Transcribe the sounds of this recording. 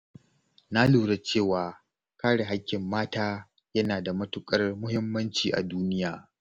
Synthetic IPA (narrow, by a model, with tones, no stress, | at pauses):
na˦luː˨ɽe˦t͡ʃeː˦˨waː˨ | kaː˦ɽe˨ɦa˦kʲːɪ˨mːaː˦taː˦ | jɐ˦naː˨da˨mɐ˦tʊ˨kʼɐ˦rmʊ˦ɦɪ˦mːɐ˦nt͡ʃiː˨ʔa̰˨duː˦nɪ˦jaː˨